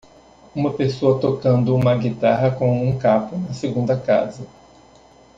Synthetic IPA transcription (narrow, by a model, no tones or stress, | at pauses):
ũmɐpesoɐt̪okɐ̃nd̪ʊũmɐɡit̪aɦɐkõw̃ũkapʊnɐseɡũnd̪ɐka̰zɐ